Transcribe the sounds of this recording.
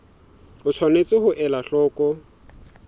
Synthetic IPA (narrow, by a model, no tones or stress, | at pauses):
ʊt͡ʃʰwanet͡sʼɪhʊʔɛlaɬɔːkʼɔ